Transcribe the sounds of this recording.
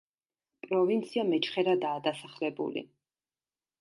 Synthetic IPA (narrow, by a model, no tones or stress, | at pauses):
pʼɾɔvint̪sʰiamɛt͡ʃʰχɛɾad̪aːd̪asaχlɛbṵlḭ